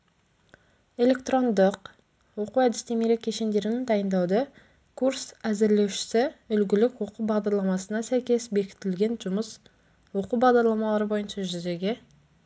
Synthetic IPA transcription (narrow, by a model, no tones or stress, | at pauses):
e̞lʲe̞kt̪ro̞nd̪əq | wo̞quwæd̪ɪst̪emeɾekʲʰːeʃe̞nd̪e̞ɾɪnɪnd̪ɑjənd̪ɑwd̪ə | kʰuɾsæzɪɾle̞wʃɪ̥sɪʏlɡʲɪlɪkwo̞quwbɑʁd̪ɑɾlˠɑmɑsənɑsæjkʲe̞sbe̞kʲɪ̥t̪ɪlɡʲe̞nʒʊməs | wo̞quwbɑʁd̪ɑɾlˠɑmɑlˠɑɾəbo̞jənʃɑʒʏze̞ɡʲe̞